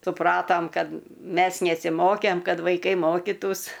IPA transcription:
sʊˈprɑːtoːm ˈkɐt ˈmʲɛs nʲɛsʲɪˈmoːkʲeːm ˈkɐt ʋɐɪˈkɐɪ ˈmoːkʲiːtuːs

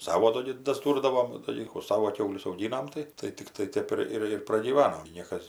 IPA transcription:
ˈsɑːʋoː ˈdoː ɡʲɪ dɐzˈduːrdɐʋoːm dɐˈlʲiːkuː ˈsɑːʋoː ˈkʲɛʊlʲʊs ɐʊˈɡʲiːnɐm ˈtɐɪ tɐɪ ˈtʲɪkrɐɪ ˈtʲɛp ɪr ˈɪr ɪr prɐɡʲiːˈʋɑːnoːm ɡʲɪ ˈnʲiɛkɐs

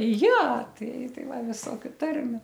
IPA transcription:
ˈjɛ ˈtɐɪ ˈtɐɪ ˈʋɐ ˈʋʲɪsoːkʲʊ ˈtɐrʲmʲʊ

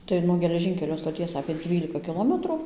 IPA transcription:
ˈtɐɪ nuɔ ɡʲɛlʲɛˈʒʲɪŋʲkʲɛlʲoː stoːˈtʲiɛs ɐpʲeː ˈd͡zʲʋʲiːlʲɪkɐ kʲɪˈlˠoːmʲɛtrʊ

